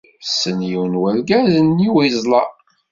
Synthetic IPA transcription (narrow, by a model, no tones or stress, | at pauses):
sənjiwnwælɡæzənːiwizˤlɑ